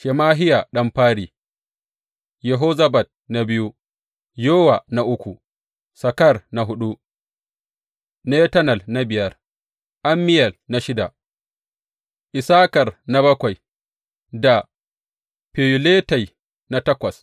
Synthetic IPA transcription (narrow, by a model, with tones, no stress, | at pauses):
ʃɛ˨maː˦ɦɪ˦ja˨ɗɐ˦mɸaː˦ɽiː˨ | jɛ˨ɦoː˦zɐ˦bɐ˨t̚na˨bɪ˦ju˦ | joː˦wa˨na˨ʔʊ˦kʷu˨ | sɐ˨kɐ˦rna˨ɦʊ˦ɗu˦ | ne˦tɐ˦nɐ˨lna˦bɪ˨jɐ˦r | ʔa˦mːɪ˦jɐ˨lna˨ʃɪ˦da˨ | ʔɪ˨saː˦kɐ˨rna˦bɐ˦kʷa˨j | da˨ | pe˨ju˨leː˦ta˨j | na˨tɐ˦kʷɐ˨s